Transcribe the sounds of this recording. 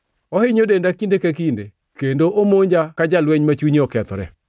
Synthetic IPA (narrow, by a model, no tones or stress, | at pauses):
ɔhɪɲodendakindekakinde | kendoʔomoɲd͡ʒakad͡ʒalwɛɲmat͡ʃuɲiɔkɛt̪ɔ̰ɾɛ̰